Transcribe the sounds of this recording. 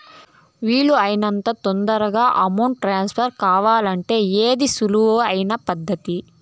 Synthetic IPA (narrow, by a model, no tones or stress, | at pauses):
ʋiːɭːuɐjnɐnt̪ɐt̪ond̪ɐɾɐɡaːʔɐmɐwɳʈʈɾaːnspʰɐɾkaːʋaːlɐɳʈe̞ːeːd̪isuluʋoːɐjinɐpɐd̪ːɐt̪i